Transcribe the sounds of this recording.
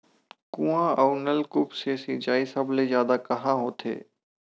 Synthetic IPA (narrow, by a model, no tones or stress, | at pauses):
kũãʔɐʊnəlkʊpseːsid͡ʒaːisɐblezjaːd̪akɐɦãɦoːt̪ʰḛː